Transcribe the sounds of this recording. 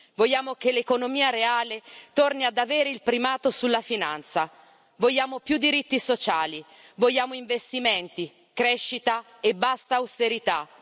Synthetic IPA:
voʎːaːmokelekonomiːaɾeaːlet̪orniad̪aveːɾeilpɾimaːt̪osulːafinant̪sa | vojːaːmopjud̪ːiɾit̪ːisot͡ʃaːli | voʎːaːmoiɱvest̪imeɛnt̪i | kɾeʃːit̪a | ebːast̪aːwst̪eɾit̪a

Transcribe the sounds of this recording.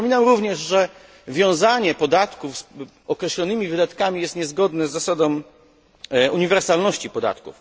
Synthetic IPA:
mʲinamɾuvɲɛʐʐɛ | vʲjɔ̃w̃zaɲɛpɔd̪at̪kufs | ɔkɾɛɕlɔnɘmʲivɘd̪at̪kamʲijɛst̪ɲɛzɡɔd̪nɛzːasad̪ɔ̃w | uɲivɛɾsalnɔɕt͡ɕipɔd̪a̰t̪kṵf

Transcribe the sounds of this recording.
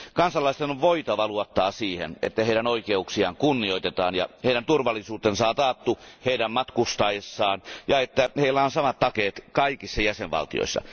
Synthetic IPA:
kɑnsɑlːˑɑˑist̪enoʋʋoit̪ɑʋɑluot̪ːɑːsiːhḛnḛt̪ːæheˑiɾænoikeuksiɑːŋkunːioit̪et̪ɑːnjɑ̰heˑiɾænt̪urʋɑlːˑisuːt̪ensɑːt̪ɑːt̪ːuheiɾæmmɑt̪kust̪ɑːjesːɑːnjɑet̪ːæheilːæonsɑmɑt̪tɑkeːt̪kɑikisːɑjæseʋʋɑ̰lt̪ḭjo̰isːɑ̰

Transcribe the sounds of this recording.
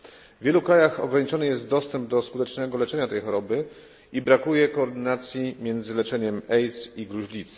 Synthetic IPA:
vʲjɛlukɾajaxɔ̰ɡɾaɲit͡ʂɔnɘjɛst̪̚d̪ɔst̪ɛmb̚d̪ɔskut̪ɛt͡ʂnɛɡɔlɛt͡ʂɛɲat̪ɛjxɔɾɔbɘ | ibɾakujɛkɔːɾd̪ɘnat̪sʲjimʲjɛnd̪zɘlɛt͡ʂɛɲɛmɛjt̪siɡɾuʑlʲit̪s

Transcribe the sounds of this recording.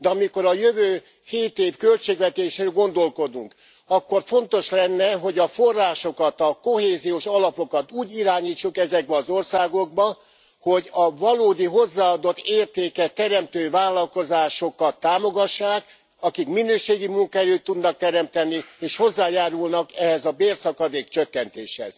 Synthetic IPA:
d̪ɛɒmiko̞ɾɒjøvøː | heːt̪eːfkø̞lt͡ʃeːɡvɛt̪eːʃɾeːlɡo̞nd̪o̞lko̞d̪ṵŋk | ɒkːo̞rfo̞nt̪o̞ʃlɛnːɛɦo̞ɟɒfo̞rːaːʃo̞kɒt̪ɒko̞ɦeːzijoːʃɒlɒpo̞kɒt̪uːɟiɾaːɲiːt͡ʃːukɛzɛɡ̚bɛɒzo̞rsaːɡo̞ɡ̚bɒ | ho̞ɟɒvɒloːd̪iɦo̞zːaːɒd̪o̞t̪ːeːrt̪eːkɛt̪ːɛɾɛmt̪øːvaːlːɒlko̞zaːʃo̞kɒt̪ːaːmo̞ɡɒʃːaːk | ɒkikminøːʃeːɡimuŋkɔɛløːt̪ːud̪nɒk̚t̪ɛɾɛmt̪ɛnieːʃho̞zːaːjaːɾulnɒkɛɦɛzɒbeːrsɒkɒd̪eːkt͡ʃøkːɛnt̪ḛːʃhɛ̰z̥

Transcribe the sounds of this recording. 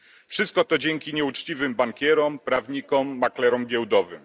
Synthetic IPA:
fʂɘst̪̚kɔt̪ɔd͡ʑɛŋkʲiɲɛut͡ʂt͡ɕivɘmbaŋkʲɛɾɔmpɾavɲikɔmːaklɛɾɔmɡʲɛwd̪ɔvɘm

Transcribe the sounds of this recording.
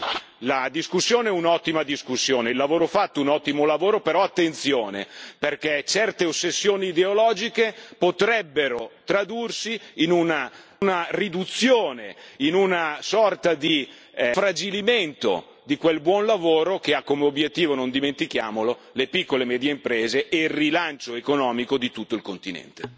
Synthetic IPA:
lad̪iskusːjoːneɛunɔt̪ːimad̪iskusːjoːneilːavoːɾofat̪ːounɔt̪ːimolavoːɾopeɾɔat̪ːent̪sjoːnḛperket͡ʃɛrt̪eosːesːjoːniːd̪eolɔːd͡ʒikepot̪ɾɛbːeɾot̪ɾad̪ursiːnuna | narid̪ut̪sːjoːneinunasɔrt̪ad̪i | fɾad͡ʒiliment̪o̰ | d̪ikwelbwɔnlavoːɾokeakːomeobjet̪ːiːvonõnd̪iment̪ik̟jaːmolo | lepikːolemɛːd̪jeimpɾeːzeʔeilrːilant͡ʃoekonɔːmikod̪it̪ut̪ːoilkont̪inɛ̰nt̪e̥

